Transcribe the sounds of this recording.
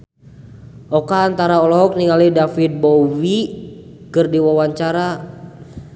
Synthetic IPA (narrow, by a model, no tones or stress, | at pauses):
ʔɔkaːnt̪aɾaɔlɔɦɔk̚niŋalidafit̪̚bɔwi | kɨrdiwawaɲt͡ʃaɾa